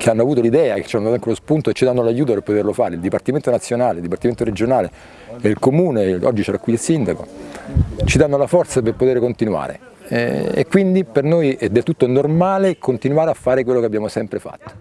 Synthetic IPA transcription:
kʰeanːoavuːt̪̬olid̪ɛːake̥t͡ʃːanːd̪at̪aŋkelospunt̪oet͡ʃːid̪anːolajuːt̪̬opeɾrpːot̪erlofaːɾeild̪ipart̪iment̪onat̪sjonaːleld̪ip̬art̪iment̪oɾed͡ʒonaːle | eilkomuːneɔ̰d͡ʒːit͡ʃɛɾakwiilsind̪ako̰ | t͡ʃid̪anːolafɔrt̪saperpot̪eːɾekont̪inwa̰ːɾḛ | ḛkːwind̪ipernoːjɛd̪elt̪ut̪ːonormaːlekʰont̪inwaːɾeafːaːɾekwelːokeabːjaːmosɛmpɾefa̰t̪ːo̥

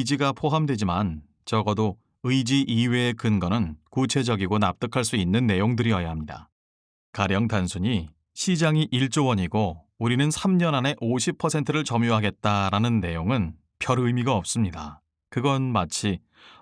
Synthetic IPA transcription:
d͡ʑiɡapʰoɦamdwe̞d͡ʑiman | t͡ɕʌɡʌdo | ɯjd͡ʑiʔiwe̞ːkɯnɡʌnɯnkut͡ɕʰe̞d͡ʑʌɡiɡonap̚t͈ɯkʰaɭs͈uinːɯnːe̞joŋdɯɾiʌjaɦamɲida̰ | kaɾjʌŋtansʰuɲi | ɕʰid͡ʑaŋiʔiɭt͡ɕ͈owʌɲiɡo | uɾinɯnsʰamɲʌnɦane̞ʔoɕʰipʰʌsʰe̞ntʰɯɾɯɭt͡ɕʌmjoɦaɡe̞t̚t͈aɾanɯnːe̞joŋɯn | pjʌɾɯmiɡaʌp̚s͈ɯmɲida | kɯɡʌnmat͡ɕʰi

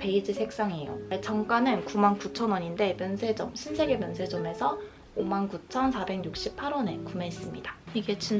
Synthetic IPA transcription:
pe̞id͡ʑisʰe̞k̚s͈aŋijo̰t͡ɕʰʌŋk͈anɯnkumankut͡ɕʰʌnwʌɲinde̞mjʌnsʰe̞d͡ʑʌmɕʰinsʰe̞ɡemjʌnsʰe̞d͡ʑʌme̞sʰʌ | omankut͡ɕʰʌnsʰabe̞ŋɲjuk̚ɕ͈ipʰaɾʌne̞kume̞ːs͈ɯmɲidaiɡe̞t͡ɕin

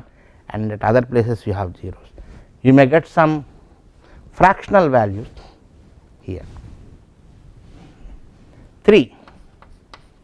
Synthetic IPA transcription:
ʔæ̰̃ɳnɖɖæʈʌd̪əɾpleːsesjiːɦæʋziːɾoːs | juːmeːɡɛʈsʌ̃m | fɾækʃənəlʋæljus | hḭə̰ɾ | t̪ʰɾiː

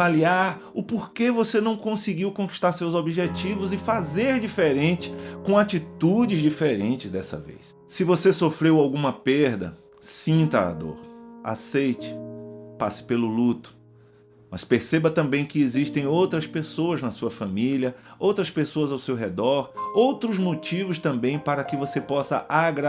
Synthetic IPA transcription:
valiaɾ | ʊpoɾkevosenɐ̃w̃kõsiɡiwkõki̥ʃt̪aɾsewzobiʒet͡ʃivʊzɪfazeɾd͡ʒifeɾẽnt͡ʃɪ̥kõat͡ʃit̪ud͡ʒɪzd͡ʒifeɾẽnt͡ʃɪzd̪ɛsɐ̰vḛjs | sɪvosesofɾewawɡũmɐpeɾd̪ɐ̰ | sĩt̪ɐa̰d̪o̰ɾa̰sejt͡ʃɪ̥pasɪ̥pelʊlut̪ʊ̥ | mɐspeɾsebɐt̪ɐ̃mbẽj̃kɪeziʃt̪ẽj̃owt̪ɾɐspesoɐznɐsuɐfɐ̃miliɐowt̪ɾɐspesoɐzawsewɦɛd̪ɔɾowt̪ɾʊzmot͡ʃivʊst̪ɐ̃mbẽj̃paɾɐkɪvosepɔsɐ̰ʔaɡɾa

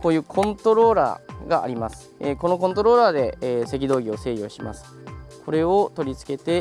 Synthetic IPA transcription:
ko̞ːjɯ̟ːkʰõ̞nt̪o̞ɾo̞ːɾa̰ːɡaʔa̰ɾʲimasɨ̥eko̞no̞kõnt̪o̞ɾo̞ːɾaːd̪e̞ːse̞k̬ʲid̪o̞ːɡʲio̞se̞ːjo̞ːɕima̰sɨ̥kʰo̞ɾe̞o̞t̪o̞ɾʲit͡sɨ̥ke̞t̪e̞

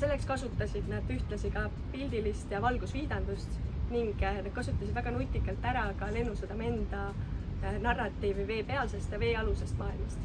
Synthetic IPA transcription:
se̞lːe̞kskɑsut̪ːˑɑsʲid̪̥nɑd̪yht̪lɑsikɑ | pilʲd̪ilist̪jɑvɑlɡ̥usviːd̪̥ɑnd̪̥ust̪niŋɡ̥nɑd̪̥̚kɑsut̪ːˑɑsid̪̥væɡ̥ɑnut̪ʲːˑikːˑɑlt̪ːæɾɑkɑle̞nːused̪̥ɑme̞nd̪̥ɑ | nɑrːɑt̪ːˑiːvive̞ːpe̞ɑlse̞st̪jɑve̞ːɑluse̞st̪mɑːilmɑst̪

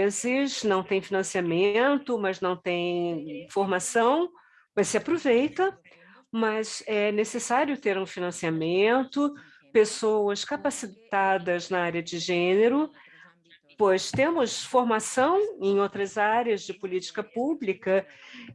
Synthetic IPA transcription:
ezɪsnɐ̃w̃t̪ẽj̃finɐ̃siamẽnt̪ʊmɐznɐ̃w̃t̪ẽj̃foɾmasɐ̃w̃ | mɐsɪapɾovejt̪ɐ | mɐzɛnesesaɾjʊt̪eɾũfinɐ̃siamẽnt̪ʊ | pesowɐskapasit̪ad̪ɐznɐaɾiɐd͡ʒɪʒẽneɾʊ | pojst̪ẽmʊsfoɾmasɐ̃w̃ẽj̃owt̪ɾɐzaɾjɐzd͡ʒɪpʊlit͡ʃi̥kɐpublikɐ

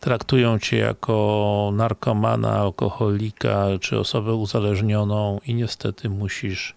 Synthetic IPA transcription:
t̪ɾakt̪ujɔ̃w̃t͡ɕɛja̰kʰɔnaɾkɔmana̰ːlkɔxɔlʲikat͡ʂɘɔ̰sɔbɛuzalɛʐɲɔnɔ̃w̃iɲɛst̪ɛt̪ʰɘmuɕiʂ

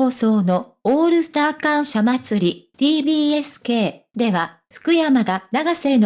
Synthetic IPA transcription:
oːso̞ːno̞ | oːɾɯ̟st̪aːkãɰ̃ɕamat͡sɨɾʲid̪̥ʲiːbʲiːe̞sɨ̥ke̞ːd̪e̞βa | ɸɯ̟̥kɯ̟jamaɡanaɡase̞ːno

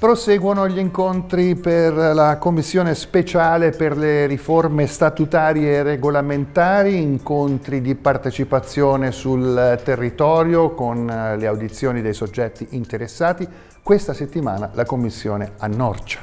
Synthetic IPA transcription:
pɾosɛːɡwonoʎiŋkont̪ɾiperlakomːisːjoːnespet͡ʃaːleperleɾiformest̪at̪ut̪aːɾjereɡolament̪aːɾiːŋkont̪ɾid̪ipart̪et͡ʃipat̪sːjoːnesult̪erːit̪ɔːɾjokonleawd̪it̪sːjoːnid̪ejsod͡ʒːɛt̪ːiʔint̪eɾesːaːt̪i | kwest̪aset̪ːima̰ːnalakomːisːjo̰ːneanːɔ̰rt͡ʃḁ

